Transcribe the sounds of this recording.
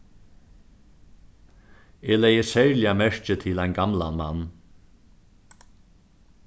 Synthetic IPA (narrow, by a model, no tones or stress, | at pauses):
eːlɛjəsɛɹlɪamɛɹ̥t͡ʃət̪ʰɪlajnɡamla̰nma̰nː